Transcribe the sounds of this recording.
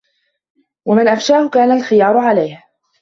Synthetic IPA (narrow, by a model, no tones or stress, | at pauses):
wamɪnʔafʃaːhʊkaːnalxɪjɑːɾˤʊʕalajh